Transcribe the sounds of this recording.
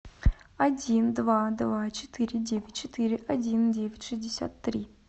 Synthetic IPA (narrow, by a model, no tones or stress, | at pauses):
ɐdʲind̪vad̪vat͡ɕɪ̥t̪ʰɨɾʲɪdʲevʲɪtʲt͡ɕɪt̪ɨɾʲɪʔɐdʲindʲevʲɪtʲʂɨzʲdʲɪsʲa̰t̪ːɾʲi